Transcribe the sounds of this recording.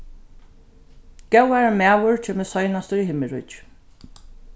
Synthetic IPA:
ɡ̥ɛwaɹmæːwʊɹt͡ʃʰeːməsɔjnast̪əɹiɦɪmɪɹʊ̰

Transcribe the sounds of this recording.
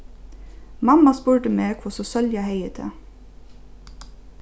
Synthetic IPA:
mɑmɑspuːʈəmeːkʰʋɔsɔsœljɑheɪət̪ʰə̰

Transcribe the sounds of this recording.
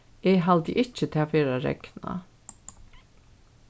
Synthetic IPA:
eːɦald̪ḭʔɪt͡ʃːət̪ʰeːafeːɾaɾɛ̰kna̰

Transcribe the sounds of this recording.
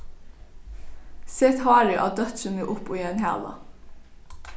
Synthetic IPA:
sɛt̪hɑːɾɪʔɑ̰ːd̪œt̪səmeːʔʊpoːjɛnɦæ̰ːlɑ̰

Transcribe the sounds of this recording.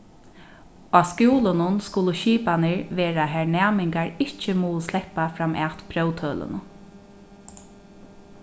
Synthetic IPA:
aːskjuːlənʊnskʊləʃiːpanɪɹʋeːɾaɦæɹnæːmɪŋkaɹɪht͡ʃəmuːəslɛhpafɾamʔaːt̪pʰɾœwt̪ʰœːlə̰nə̰

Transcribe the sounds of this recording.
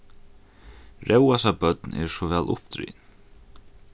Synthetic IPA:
ɾʔɛwasabœt̪nɛ̰ɾʂɔʋɛːlʔʊ̰pt̪ɾḭːn

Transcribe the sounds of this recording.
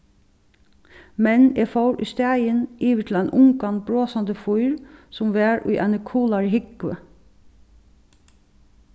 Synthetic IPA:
mɛnefowɾʊ̰jst̪æːjəniːʋət̪ʰɪlæɪnʔʊŋkanbɹoːsand̪əfujɹsʊmʋæːɹʊ̰jʔanəkʰuːlaɹɦɪkʋə̰

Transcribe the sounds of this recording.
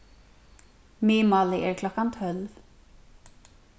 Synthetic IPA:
mɪːmaːlɪʔɛɾkʰlɔhkant̪ʰhœlv

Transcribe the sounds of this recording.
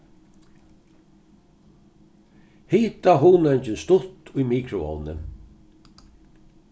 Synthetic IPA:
hiːt̪aɦuːnɛɲt͡ʃɪnst̪ʊt̪ʊjmiːkʰɾʊɔ̰wnɪ̰n

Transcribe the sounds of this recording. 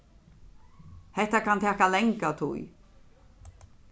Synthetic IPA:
hɛht̪akʰant̪ʰɛːkalɛŋkawt̪ʰṵj

